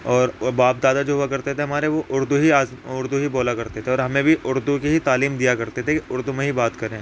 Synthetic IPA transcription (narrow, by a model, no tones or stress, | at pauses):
ɔːɾbaːp̚d̪aːd̪ad͡ʒoːɦuakɐɾt̪et̪ʰeɦɐmaːɾeʋoʔʊɾd̪uɦiaːzʊɾd̪uɦiboːlakɐɾt̪et̪ʰeɔːɾɦɐmẽbʱiʔʊɾd̪ukiɦit̪aːliːmd̪ijakɐɾt̪et̪ʰekiʊɾd̪umẽɦibaːt̪kɐɾẽː